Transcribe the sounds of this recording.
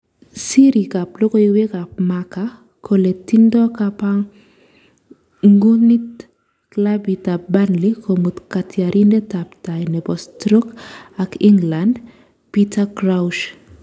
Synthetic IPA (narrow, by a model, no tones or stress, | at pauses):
siɾikaplokowekapmaka | kʰoletindɔkapaŋ | ŋɡunit | klabitabanlikʰomut̪katʰjaɾʔindetaptajnɛbɔstɾokakiŋɡland | pitakɾawʃ